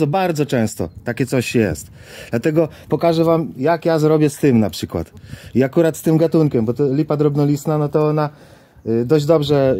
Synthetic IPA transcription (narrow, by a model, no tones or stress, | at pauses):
ɔbaɾd̪zɔt͡ʂɛ̃w̃st̪ɔ̰t̪akʲɛtsɔɕjɛ̰st̪ | d̪̥lat̪ɛɡɔ | pɔkaʐɛvamjakjazɾɔbʲjɛst̪ɘmnapʂɘkwa̰t̪iakuɾat̪st̪ɘmɡat̪unkʲɛmbɔt̪ɔlʲipad̪ɾɔbnɔlʲisnanɔt̪ɔɔna | d̪ɔʑd͡ʑd̪ɔbʐɛ